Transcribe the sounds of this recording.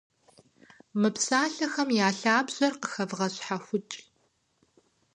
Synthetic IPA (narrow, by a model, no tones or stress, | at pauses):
mɨpsaːɬɐxɐmjaːɬaːbʑ̥ɐrqəxɐvʁɐɕħaxʷʊt͡ʃʼɬ